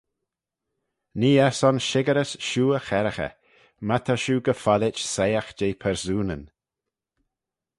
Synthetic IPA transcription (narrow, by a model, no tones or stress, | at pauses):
niːɛsɔnʃɪɡəɾəsʃuːəxɛɾəxə̰ | mat̪ʰaʃuːɡəfalɪt͡ʃsejəxd͡ʒeːpʰɛɹsuːnə̰n